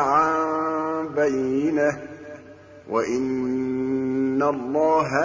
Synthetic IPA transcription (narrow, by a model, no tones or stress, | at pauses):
ʕa | bajːɪna | waʔɪn | alˤːɑːɦa